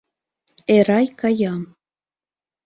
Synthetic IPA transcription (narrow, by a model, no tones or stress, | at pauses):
eɾɑjkɑjɑm